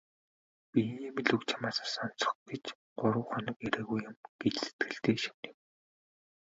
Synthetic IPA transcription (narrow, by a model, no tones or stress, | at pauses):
piemiɮɵkt͡ɕʰḁmaːsḁsɔn̥t͡sɞ̥̆χɡet͡ɕ | ɢ̥ʊɾə̆ːwχɔnɞ̆keɾeːɣujːʊ̆mɡ̥et͡ɕse̥t̪̚ɡɘ̆ɬt̪eːʃi̥mnɪ̆m